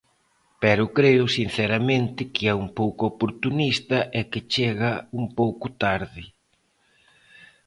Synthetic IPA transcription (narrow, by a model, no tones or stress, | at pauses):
pɛɾʊkɾeʊsin̟θɛɾɐmẽnt̪ɪkɪɛumpowkʊopoɾt̪unist̪ɐʔɛkɪt͡ʃeɣɐuŋpowkʊt̪aɾðɪ